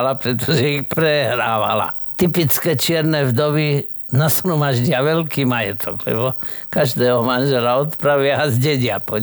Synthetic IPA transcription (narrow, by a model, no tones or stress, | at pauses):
lapɾɛt̪ɔʒɛixpɾɛɦɾaːʋa̰la̰ | t̪ipit͡skɛːt͡ʃɪɛɾnɛvd̪ɔʋi | nasɾɔmaʒɟɪaʋɛlkiːmajɛt̪ʰɔɡlɛ̰bɔkaʒd̪ɛːɦɔmanʒɛlaɔt̪pɾaʋɪaazɟɛɟɪapɔɲ